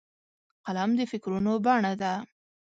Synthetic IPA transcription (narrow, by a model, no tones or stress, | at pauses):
qalamd̪əfɪkɾunobaɳad̪a